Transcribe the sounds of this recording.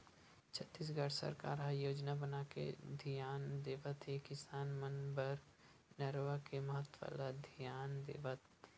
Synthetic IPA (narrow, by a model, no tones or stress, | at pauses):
t͡ʃʰət̪ːiːs̬ɡəɽsə̰ɾka̰ːɾɦaːjoːd͡ʒnabənakḛd̪ʱijaːnd̪eːʋət̪ekɪsaːnmənbəɾ | nɐɾʋakemɐɦət̪wə̰lad̪ʱijaːnd̪ḛːʋət̪